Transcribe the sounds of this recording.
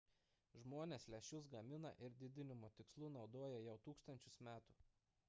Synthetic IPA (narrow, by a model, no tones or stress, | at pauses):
ʒmoːnʲeːslʲɛʃʲʊs̬ɡɐmʲɪnɐ̰ʔɪɾd̪ʲɪd̪ʲɪnʲɪmoːt̪ʲɪkslˠuːnɒʊd̪oːjɛjɛʊt̪uːkst̪ɐnʲt͡ʃʲʊsmʲæːt̪uː